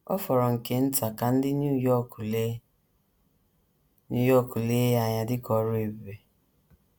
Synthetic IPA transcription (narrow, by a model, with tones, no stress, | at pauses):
ɔ̰˦fɔ˨ɾɔ˨ŋ̩˨ke˦n̩˦ta˨ka˨n̩˦dɪ˦ɲ˦jɔ˦kle˦ | ɲu˦jɔ˦˨ku˨le˦ja˨ɲa˨dɪ˦kɔ˨ɾʊ˦e˨be˨